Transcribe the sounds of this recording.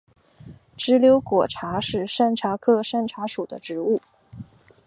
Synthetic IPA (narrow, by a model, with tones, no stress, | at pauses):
ʈ͡ʂɻ̩˧˥ljo˧˥ʊkwɔ˨˩ʈ͡ʂʰa˧˥ʂɻ̩˥˧ʂa˥˩nʈ͡ʂʰa˧˥kʰɤ˥˧ʂa˥˩nʈ͡ʂʰa˧˥ʂu˨˩d̪ə˦ʈ͡ʂɻ̩˧˥u˥˩